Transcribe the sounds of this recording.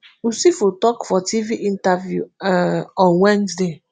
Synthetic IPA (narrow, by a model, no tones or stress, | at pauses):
usifotɔkfɔtiviʔĩntavjṵɛɔ̃nwɛ̃nzde